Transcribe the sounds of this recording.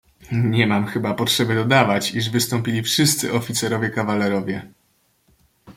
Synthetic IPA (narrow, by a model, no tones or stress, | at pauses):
ɲɛmamxɘbapɔtʂɛbɘd̪ɔd̪avat͡ɕiʐvɘst̪ɔmpʲilʲifʂɘst̪sɘʔɔfʲit̪sɛɾɔvʲjɛkavalɛɾɔvʲjɛ